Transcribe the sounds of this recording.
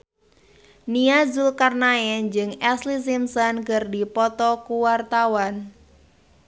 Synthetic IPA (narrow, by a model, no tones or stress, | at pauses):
niazulkarnaɛnd͡ʒɨŋɛslis̬imsɔnkərdipɔt̪ɔkuwart̪awan